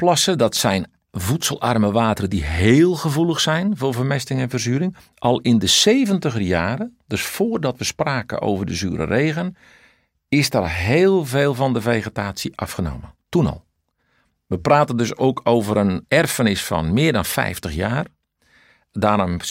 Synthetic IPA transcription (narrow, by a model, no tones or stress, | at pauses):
plɔsədɔtsɛjn | vutsəlˠʔa̰rməʋaːtərədiɦeːlˠɣəvulˠəxsɛjnvʊːvərmɛstɪŋɛnvərzyːɾɪŋ | ʔɔlˠɪndəseːvəntəɣəjaːɾədøsfoːrdɔtʋəspraːkə̰ʔo̰ːvərdəzyːəɾə̰reːɣən | ɪsdarɦeːlˠveːlˠvɔndəveːɣətaːsjiʔɑfxəno̰ːməntunɔ̰lˠ | ʋəpraːtəndøsoːkʰoːvəɾənɛrfənɪsfɔ̰nmɪːrdɔnfɛ̰jftəxjaːr | daːɾm